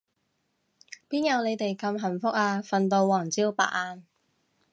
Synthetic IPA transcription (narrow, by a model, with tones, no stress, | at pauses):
piː˥njɐ˨˧wne˨˧jt̪e˨jkɐ˧mɦɐ˨˩nfʊ˥k̚aː˧fɐ˨˧nt̪o˧wwɔː˨˩ŋt͡siː˥wpa̰ː˨k̚aː˧n